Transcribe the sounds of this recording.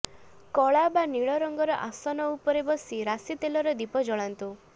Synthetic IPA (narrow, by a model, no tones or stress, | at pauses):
kɔɭabaniɭɔɾɔŋɡɔɾɔʔasɔnɔupɔɾebɔsiɾasit̪elɔɾɔd̪ipɔd͡ʒɔɭant̪u